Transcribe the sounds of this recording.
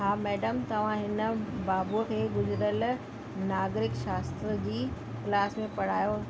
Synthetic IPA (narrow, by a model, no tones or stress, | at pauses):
ɦaːmɛːɖəmt̪ɐʋ̤ãɦɪnə̆baːbukʰeːɡʊzɪɾəl | naːɡɾɪkʃaːst̪ɾəd͡ʑiː | klaːsmẽpɐɽ̤aːjoː